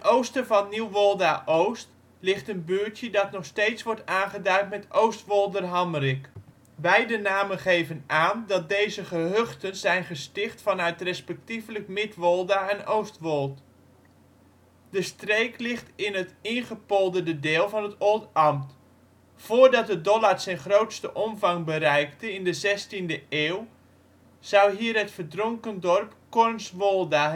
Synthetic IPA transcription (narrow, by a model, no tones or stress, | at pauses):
nowstəvɑnːiwʋɔlˠdaʔowst | lɪχtənbyːtjədɑtnɔχstejtsʋɔɹtaːnχədœɥntmɛtowstʋolˠdərɦɑmrɪk | bɛjdənaːmənχejvənaːndɑt̚dejzəχəɦøχtənzɛjnχəstɪχtfɑnœɥtrɛspɛk̚tifləkmɪtʋɔlˠdaɛnowstʋɔlˠt | dəstrejklɪχtɪnɦətɪnχəpolˠdəndədɪːlˠvɑnɦətolˠtɑmt | foːrdɑt̚dədɔlarsɛjnχrowtstəʔɔmvɑŋbərɛjktəɪndəzɛstindəeːw | z̥ʌwɦiːərɦətfərdroŋkəndɔrpkɔrnsʋolˠda